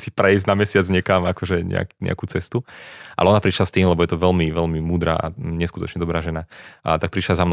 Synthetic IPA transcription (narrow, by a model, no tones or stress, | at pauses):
sipɾɛiznamɛsɪad͡zɲɛkamakɔʒɛɲɛ̰a̰kɲɛ̰a̰kut͡sɛst̪uʔa̰lɛɔnapɾiʃlast̪iːmlɛbɔjɛt̪ɔʋɛlmiʋɛlmimuːd̪ɾa̰ːʔa̰ɲɛskut̪ɔt͡ʃɲɛd̪ɔbɾaːʒɛnat̪ak̚pɾiʃlazamn